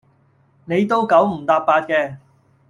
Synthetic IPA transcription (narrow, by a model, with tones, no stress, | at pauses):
ne˨˧jt̪o˥wkɐ˨˥wm̩˨˩t̪aː˧p̚paː˧t̚kɛː˧